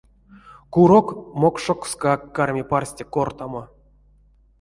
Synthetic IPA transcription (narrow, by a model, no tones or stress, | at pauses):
kuɾokmokʂokskakːarmʲiparsʲtʲekort̪amo